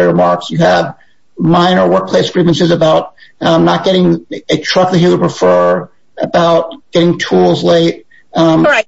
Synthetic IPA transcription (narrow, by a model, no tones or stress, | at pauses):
ə˞mɑɹksjɨəv | mãɪ̃nə˞wɜ˞k̚pʰl̥eɪsɡ̥ɹivɨ̃nsɨzɨbaʊt̚nət̚ɡ̥ɛɾɪ̃ŋɨtʰɹ̥ʌk̚ðɨt͡ʃjɨwəd̚pʰɹɨfɜ˞ | ɨbaʊt̚ɡ̥ɛɾɪ̃ŋtʰulˠzleɪt̚